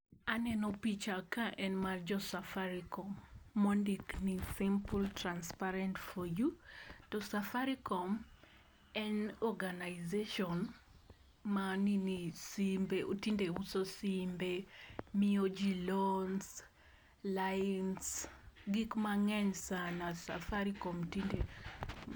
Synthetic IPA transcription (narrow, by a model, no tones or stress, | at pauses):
anɛnɔpit͡ʃakaʔɛnmard͡ʒɔsafaɾikɔmːondiknisimpltranspaɾɛntfɔjutosafaɾikɔm | ɛnɔɡanaɪzeʃɔn | maninisimbeʔutindeusosimbemiod͡ʒilons | lansɡikmaŋɛɲsanasa̰faɾikɔmtinde